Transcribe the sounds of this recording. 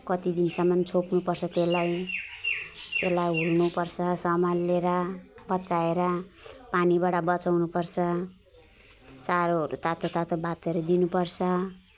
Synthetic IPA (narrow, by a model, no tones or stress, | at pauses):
kʌt̪id̪insʌmːʌnt͡sʰopnupʌrt͡sʰʌt̪elaj | t̪elajɦulnupʌrt͡sʰʌsʌmalːeɾʌbʌt͡saeɾʌpanibaʈʌbʌt͡sawnupʌrt͡sʰʌ | t͡saɾoɾut̪at̪ʰot̪at̪ʰobat̪ʌɾud̪inupʌrt͡sʰʌ